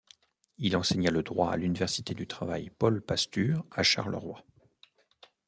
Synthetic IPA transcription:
ilɑ̃sɛɲaləd̪ʁwaa̰lynivɛʁsit̪ed̪yt̪χavajpɔlpast̪yːʁaʃa̰ʁlə̰ʁwa

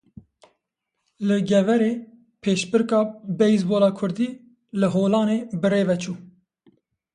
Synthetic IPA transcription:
lɨɡɛvɛɾeː | pʰeːʃbɨɾkɑːbɛjzboːlɑːkʰʊɾd̪iː | lɨɦoːlɑːneːbɨreːvɛt͡ʃʰuː

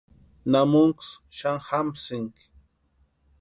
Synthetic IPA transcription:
namʊŋksʃaŋhamsɪŋk

